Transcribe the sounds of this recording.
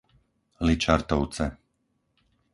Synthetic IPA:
lit͡ʃaɾt̪ɔʊt͡sɛ

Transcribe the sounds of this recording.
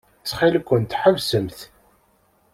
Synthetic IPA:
t͡sːχilkʷːənt̪ħəvsəmθ

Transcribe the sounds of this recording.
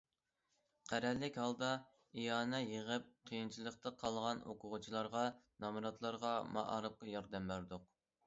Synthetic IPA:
qʰæɾɛlːɪkʲhɑlˠd̪ɑ | ijɑːnɛjəʁəp̚qʰijint͡ʃʰilˠəqt̪ɑqʰɑlˠʁɑno̰qʰʊʁʊt͡ʃʰilˠɑɾʁɑnɑmɾɑt̪lˠɑɾʁɑmɑ̰ʔɑ̰ɾɨp̚qɑjɑɾd̪ɛmbæɾd̪ʊq̚

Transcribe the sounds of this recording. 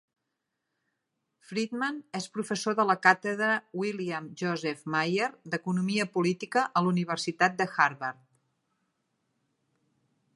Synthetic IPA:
fɾid̪manespɾufəsoðələkat̪əðɾəwiliamʒɔzɛfmajerd̪əkunumiəpulit̪ikəʔəluniβ̞ərsit̪at̪̚d̪əxaɾβaɾt̪

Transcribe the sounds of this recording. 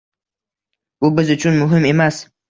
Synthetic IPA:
ubɪzʊt͡ʃʰʊnmʊɦɪmemas

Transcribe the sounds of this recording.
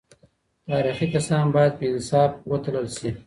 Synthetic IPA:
t̪ɑɾixikasɑnbɑjad̪̚pəɪnsɑfwət̪ləlʃi

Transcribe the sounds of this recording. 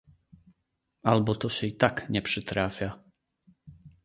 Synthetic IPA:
alɛbɔt̪ɔsɛit̪akɲɛpʃɛt̪ɾaːfɪa

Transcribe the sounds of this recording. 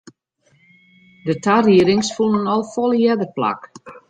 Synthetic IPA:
dətʰariəɾɪŋsfulˠənɔlˠfɔlˠjɛdəpla̰k

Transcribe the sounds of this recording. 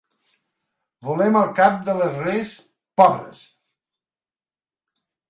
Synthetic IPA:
βulɛməlˠkap̚d̪ələzres | pɔβɾə̰s

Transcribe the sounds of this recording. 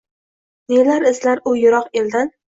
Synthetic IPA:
nelaɾɪzlaɾʊjʊɾɒqeld̪an

